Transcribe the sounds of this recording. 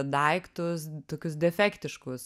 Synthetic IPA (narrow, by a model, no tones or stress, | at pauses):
d̪ɐɪkt̪ʊst̪oːkʲʊsd̪ʲɛfʲɛːkt̪ʲɪʃkʊs